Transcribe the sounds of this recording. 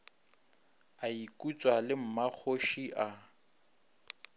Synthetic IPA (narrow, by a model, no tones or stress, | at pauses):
aikʼut͡sʼwalɪm̩mak͡xʰoʃiʔa